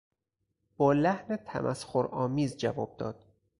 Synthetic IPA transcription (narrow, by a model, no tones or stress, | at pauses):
b̥ɒːlæhnet̪ʰæ̰mʔæ̰sxoɾʔɒːmiːzd͡ʒævɒ̰ːb̥̚d̪ɒːd̪̥̚